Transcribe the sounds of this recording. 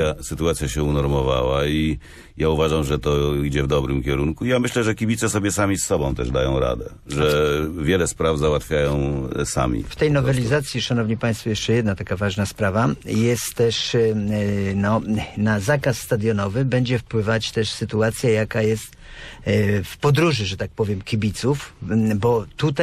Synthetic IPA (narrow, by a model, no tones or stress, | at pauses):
asɘt̪uat̪sʲjaɕɛunɔɾmɔva̰wai | jauvaʐamʐɛt̪ɔid͡ʑɛvd̪ɔbɾɘmkʲɛɾunkuijamɘɕlɛʐɛkʲibʲit̪sɛsɔbʲjɛsamʲisːɔbɔ̃t̪ɛ̰ʐd̪ajɔ̃w̃ɾa̰d̪ɛ | ʐɛvʲjɛlɛspɾavzawat̪fʲjajɔ̃w̃sa̰mʲḭft̪ɛjnɔvɛlʲizat̪sʲjiʂanɔvɲipaj̃st̪fɔjɛʂt͡ʂɛjɛd̪nat̪akavaʐnaspɾavajɛst̪ːɛʂ | nɔnazakasːt̪ad̪jɔnɔvɘbɛɲd͡ʑɛfpwɘvat͡ɕt̪ɛʂsɘt̪uat̪sʲjajakajɛst̪ | fpɔd̪ɾuʐɘʐɛt̪ak̚pɔvʲjɛmkʲibʲit̪sufbɔt̪ut̪a